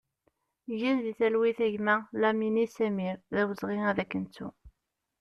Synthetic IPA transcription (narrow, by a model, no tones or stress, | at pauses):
ʝænðiθælwiθæʝmælæminisæmiɾðæwəzˤʁiæðækːənt͡sːṵ